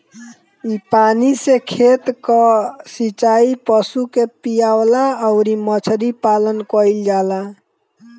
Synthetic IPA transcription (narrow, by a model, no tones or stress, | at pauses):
ipanisekʰet̪kɔsit͡ʃaipəsukepijawlaəʊɾimət͡ʃʰɾipalənkəild͡ʒala